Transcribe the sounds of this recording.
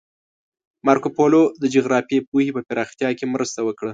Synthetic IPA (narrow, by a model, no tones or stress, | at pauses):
mɑɾkopolod̪əd͡ʒoɣɾɑfijep̚uhipəpɪɾɑxt̪jɑkemɾəst̪awəkɽə